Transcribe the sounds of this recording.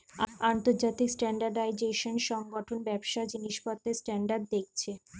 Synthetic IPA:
ant̪oɾd͡ʑat̪iksʈɛɳɖaɾɖajd͡ʑeʃonʃɔŋɡɔʈʰonbɛbʃad͡ʑiniʃpɔt̪ːesʈɛɳɖaɾɖ̚d̪ek̚t͡ɕʰe

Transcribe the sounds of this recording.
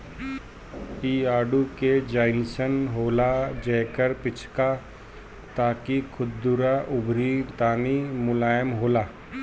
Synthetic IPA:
iːaːɖuked͡ʒaːɪnsənɦoːlad͡ʒɛːkəɾpɪt͡ʃʰka | t̪aːkikʰʊd̪d̪ʊɾaʔʊbʱɾit̪aːnimʊlaːjəmɦoːlaː

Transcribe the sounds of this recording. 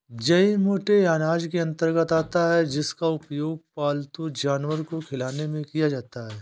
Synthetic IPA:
d͡ʒɐimoːʈeaːnaːd͡ʒkeɐ̃nt̪əɾɡət̪aːt̪aɦɛd͡ʒɪskaʊpjoːɡ̚paːlt̪ud͡ʒaːnwəɾkokʰɪlaːnemẽkijad͡ʒaːt̪aɦɛː

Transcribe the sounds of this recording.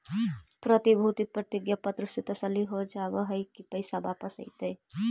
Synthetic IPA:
pɾət̪ibʱut̪ipɾət̪ɪɡjapɐt̪ɾəset̪ɐsəlːiɦod͡ʒaːʋəɦɐjkipɐɪsabaːpəsə̰it̪e

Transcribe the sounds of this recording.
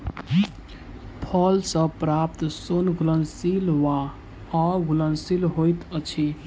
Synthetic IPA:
pʰəlsə̃pɾap̚t̪sonɡulənsilʋa | ɔɡulənsilɦojt̪ət͡ʃʰi

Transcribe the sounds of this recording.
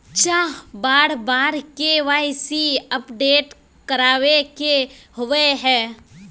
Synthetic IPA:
t͡ʃaːbaːɽbaːɾkeʋaːɪsiəpɖeːʈ | kəɾaːʋekehʊʋeɦɛː

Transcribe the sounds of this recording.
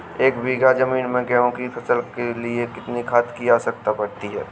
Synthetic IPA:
eːkbiːɡazɐmiːnmẽɡɛːɦõkipʰɐsəlkeliekɪt̪nikʰaːt̪kiaːsɐk̚t̪apɐɾt̪iɦɛː

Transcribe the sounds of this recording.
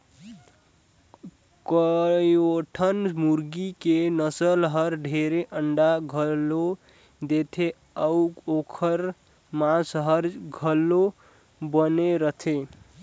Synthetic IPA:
kəjoʈʰənmuɾɡikenəsəlɦəɾɖʱeɾeʔəɳɖaɡʱəlo | d̪et̪ʰe | əuokʰəɾ | mãsɦəɾɡʱəlːo | bəneɾət̪ʰe

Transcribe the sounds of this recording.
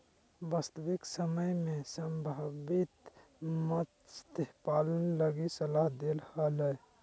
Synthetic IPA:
baːst̪əʋɪksəməjmẽsəmbʱabɪt̪ | mət̪st̪eɦpaːlənləɡisəlaɦd̪elhaləj

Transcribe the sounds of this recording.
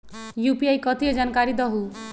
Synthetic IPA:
jupiajkʌt̪ʰied͡zankaɾid̪ʌɦu

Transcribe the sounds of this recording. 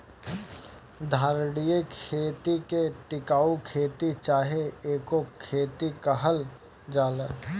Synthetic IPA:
d̪ʱaːɾɽijekʰeːt̪ikeʈɪkaːukʰeːt̪it͡ʃaːɦeeːkokʰeːt̪ikɐɦəl | d͡ʒaːleː

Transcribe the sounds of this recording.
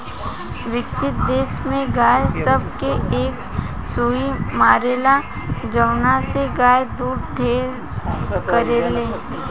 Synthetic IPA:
ʋɪkʃɪt̪̚d̪eːsmẽɡaːjsəb̚keʔeːk | suimaːɾeːla | d͡ʒəʋnaseɡaːjd̪uːɽɖʱeːɾ | kəɾeːleː

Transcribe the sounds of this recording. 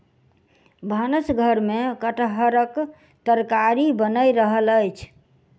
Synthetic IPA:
bʱanəsɡʱəɾmekəʈɦəɾək | t̪əɾkaɾibənəjɾəɦələjt͡ʃʰ

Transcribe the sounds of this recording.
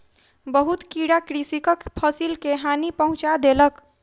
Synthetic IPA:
bəɦut̪kiɽakɾisikəkpʰəsilkeɦanipəɦũt͡ʃad̪elək

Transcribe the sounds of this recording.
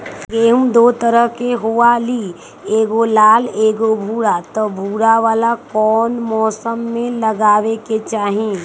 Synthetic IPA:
ɡeːɦũmd̪oːt̪əɾəɦkeɦoali | eːɡolaːleːɡobʱuːɽat̪ɔbʱuːɽaʋaːlakɔːnmɔːsəmːẽlɐɡaːʋeket͡ʃaːɦẽ

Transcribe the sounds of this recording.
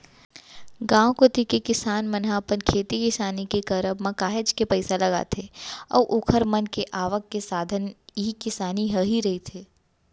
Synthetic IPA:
ɡãːwõkot̪ikekɪsaːnmɐnɦapənkʰeːt̪ikɪsaːnikekəɾəbmɐkaːɦɪd͡ʒkepɐɪsalɐɡa̰ːt̪ʰeɔ̰ːɾʔoːkʰəɾmɐnkeʔaːʋəkːesaːd̪ʱənɦikɪsaːniɦəɦiɾɐɦit̪ʰeː

